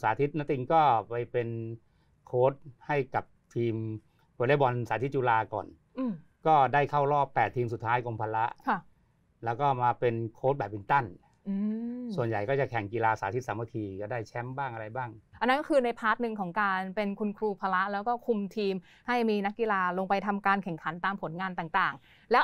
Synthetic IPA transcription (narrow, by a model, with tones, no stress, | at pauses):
sa̰ː˨˦t̪ʰi˦˥t̪̚na˦˥t̪i˧ŋkɔː˥˩pa˧jpe˧n | kʰoː˦˥t̪̚ha˥˩jka˨˩p̚t̪ʰiː˧m | koː˧laː˦˥˩bɔ˧nsaː˩˦t̪ʰi˦˥t̪̚t͡ɕuː˧laː˧kɔ̰ː˨˩n | ʔɯː˧˩m | kɔː˥˩daː˥˩jkʰa˥˩wɾɔː˥˩pːɛː˨˩t̪ʰːiː˧msu˨˩t̪ʰːaː˦˥jko˧mpʰaː˧la˦˥ʔkʰa˥˩ | lɛː˦˥wkɔː˥˩maː˧pe˧nkʰoː˦˥t̪̚bɛː˨˩p̚ːi˨˩ŋt̪a˥˩n | ʔɯː˧su˨˩ənja˨˩jkɔː˥˩t͡ɕa˨˩kʰɛ˨˩ŋki˧laː˧saː˩˦t̪ʰi˦˥t̪̚saː˩˦ma˧t̪ʰiː˧kɔː˥˩daː˥˩jt͡ɕʰɛ˦˥mbaː˥˩ŋʔa˧ɾa˧jbaː˥˩ŋʔa˧nːa˦˥kɔ˥kʰɯː˧na˧jpʰaː˦˥˩t̪̚nɯ˧ŋkʰɔː˩˦ŋkaː˧npe˧nkʰu˧nkʰɾuː˧pʰaː˧la˦˥ʔlɛː˦˥wkɔː˥˩kʰu˧mt̪ʰiː˧m | ha˥˩jmiː˧na˦˥k̚ːi˧laː˧loː˧ŋpa˧jt̪ʰa˧mkaː˧nkʰɛ˨˩ŋkʰa˩˦nt̪aː˧mpʰo˩˦nŋaː˧nt̪aː˨˩ŋt̪aː˨˩ŋ | lɛː˦˥w